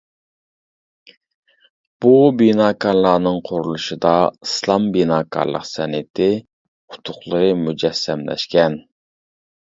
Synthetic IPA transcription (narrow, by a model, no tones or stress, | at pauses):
b̥ubinɑːkʰɑɾlˠɑːnɨŋqʰʊɾulˠuʃɨd̪ɑislˠɑmbinɑːkʰɑ̰ɾlˠə̰qsɛnɪt̪ʰɪ | qʰʊ̥t̪ʰʊχlˠəɾɨmud͡ʒɛsːɛmlɛ̰ʃkʲɛn